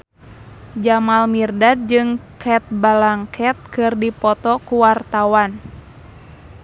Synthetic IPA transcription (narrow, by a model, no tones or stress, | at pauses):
d͡ʒamalmirdad̚d͡ʒɨŋkʰɛt̪̚balaŋkʰɛt̪̚kɨrdipɔt̪ɔkuwart̪awan